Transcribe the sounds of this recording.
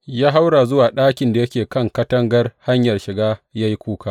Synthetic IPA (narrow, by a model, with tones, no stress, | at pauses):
jaː˦ɦa˦wɽa˨zʊ˦waː˨ɗaː˦kʲɪ˨nda˨jɐ˦kʲeː˨kɐ˦˨ŋkɐ˦tɐ˦ŋɡɐ˦rha˦ɲjɐ˨rʃɪ˨ɡaː˦ja˦ji˦kʷuː˦kaː˦˨